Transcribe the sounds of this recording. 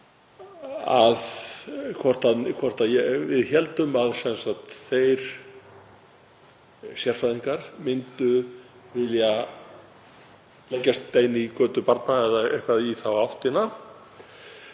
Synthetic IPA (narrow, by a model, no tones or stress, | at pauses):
aðkʰvɔr̥t̪ankʰvɔr̥t̪ajɛvɪðçɛlt̪ʏmaðsɛnsaht̪θejɾ̥ | sjɛr̥faðiŋkaɾ̥mɪnt̪ʏ | vɪlja | lejcːast̪ːeːjnikœːt̪ʏpaɾt̪naɛðaɛ̰hkvaðiθawawht̪ɪna